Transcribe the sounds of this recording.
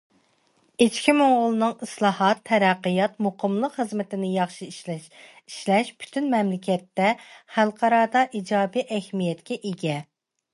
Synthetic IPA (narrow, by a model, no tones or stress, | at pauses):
et͡ʃkʲimoŋʁʊlˠɨnɨŋislˠɑːhɑt̪ʰːɛɾæqːəjɑt̪muqʰəmlˠəqχəzmɪt̪ɪnɪjɑχʃiʃ | iʃlɛʃpʰy̥t̪ʰynmɛmlɪkʲʰɛt̪ːɛχælˠqʰɑɾɑːd̪ɑʔid͡ʒɑːbiʔɛhmijɛt̪kʲʰɛʔeɡʲɛ